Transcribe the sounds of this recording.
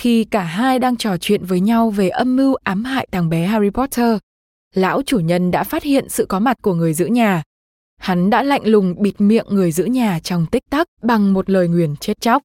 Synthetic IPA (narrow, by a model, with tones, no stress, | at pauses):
xi˧kaː˧˩ɦaː˧jɗaː˧ŋt͡ɕɔ˧˩t͡ɕwḭ˧˨ənvəː˨˦jɲa˧wve˨˩ʔə˧mːɨ˧wʔaː˨˦mha̰ː˧˨jt̪aː˨˩ŋɓɛ˨˦ɦaː˧ɹi˧pɔ˦˥tʰəː˧ | la̰ː˧˥wt͡ɕu˧˩ɲə˧nɗa̰ː˧˥faː˦˥t̚hḭ˧˨ənsɨ̰˧˨kɔ˨˦ma˨˩t̚ku˧˩əŋɨ˨˩əjzɨ̰˧˥ɲaː˨˩ | ha˨˦nɗa̰ː˧˥la̰˧˨jŋ̟lʊ˨˩ŋ͡mɓi˨˩t̚mḭ˧˨əŋːɨ˨˩əjzɨ̰˧˥ɲaː˨˩t͡ɕɔ˧wŋ͡mt̪ï˦˥k̚t̪a˦˥k̚ɓa˨˩ŋmo˨˩t̚ləː˨˩jŋwi˧˩ənt͡ɕe˦˥t̚t͡ɕa˦˥wk͡p̚